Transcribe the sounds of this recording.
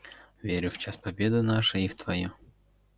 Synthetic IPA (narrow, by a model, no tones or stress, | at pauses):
vʲeɾʲʊft͡ɕaspɐbʲed̪ɨnaʂɨift̪vɐju